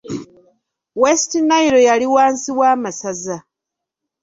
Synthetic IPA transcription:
westinajiɾo̞jaliwaːnsiwaːmasaza

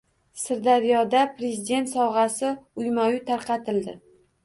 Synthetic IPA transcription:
sɪɾd̪aɾijɒd̪apɾe̞zid̪ʲe̞nt̪sɒwʁɑsɪʊjmajʊt̪ʰaɾqʰɑt̪ɪld̪ɪ

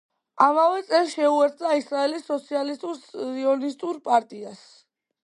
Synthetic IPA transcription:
amavɛt̪sʼɛlʃɛuɛɾt̪ʰʼd̪aisɾaɛlisːɔt̪sʰialist̪ʼuɾsiɔnist̪ʼuɾpʼaɾt̪ʼias

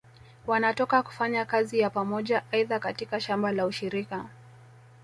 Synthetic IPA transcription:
wanatɔkaku̥faɲakazijapamɔʄaʔaiðakatikaʃambalauʃiɾika

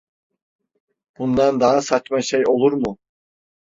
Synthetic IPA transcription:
b̥und̪and̪aɦasat͡ʃmaʃejo̞lˠuɾmu

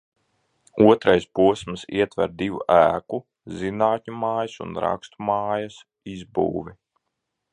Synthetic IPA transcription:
uɔt̪ɾajspuɔsmsiɛt̪vɛ̰ɾd̪iʋṵʔæːku | zinaːt̪ʲɲʲumaːjɐsṵnɾa̰kst̪umaːjɐs | izbṵːvi

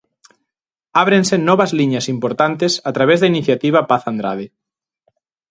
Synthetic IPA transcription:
aβ̞ɾẽnsenɔβɐzliɲasimpoɾt̪ant̪esat̪ɾaβ̞ezðainiθjat̪iβapaθand̪ɾaðe

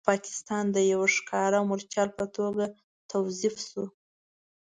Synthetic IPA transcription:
pɑkɪ̥st̪ɑnd̪əjawaʂkʰɑɾawmʊɾt͡ʃjɑlpət̪ʰoɡa | t̪ʰawzifsu

